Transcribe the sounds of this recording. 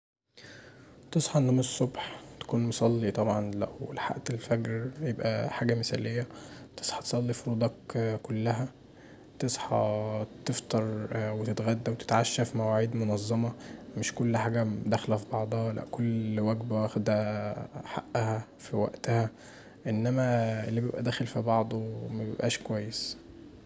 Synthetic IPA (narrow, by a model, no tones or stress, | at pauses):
t̪esˤħɑʔenːæmsˤːobħt̪æ̥kuːnmosˤɑlːit̪ˤɑbʕɑnlæʔwḛlħa̰ʔt̪elfæɡɾjebʔæ̰ħaːɡæmesæ̰ːlejːæt̪e̥sˤħɑt̪e̥sˤɑlːifoɾuːd̪ˤɑkkolːæɦæ | t̪esˤħɑ̰t̪eft̪ɑɾˤwet̪et̪ɣæd̪ːæwet̪e̥t̪ʕaʃːæfimæwaʕiːd̪monɑzˤːɑmɑmeʃkolːħaːɡæd̪æxlæfibɑʕd̪ˤhɑlæ̰ʔkolːwæɡbæwæxed̪æħa̰ʔːæhæfiwæ̰ʔt̪æhæ | ʔenːæmæʔelːibjebʔæd̪æːxelfibɑʕd̪ˤomæbebʔæ̰ːʃkowæjːes